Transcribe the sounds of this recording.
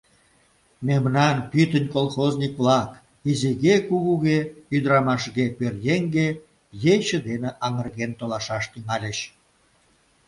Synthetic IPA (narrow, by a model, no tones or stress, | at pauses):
memnɑnpyt̪ənʲkolˠχozʲnʲikvlɑk | iziɣekuɣuɣeyd̪əɾɑmɑʃɣepørjeŋɡe | jet͡ɕə̆d̪eneʔɑŋə̆rɣent̪olɑʃɑʃt̪yŋɑlʲeɕ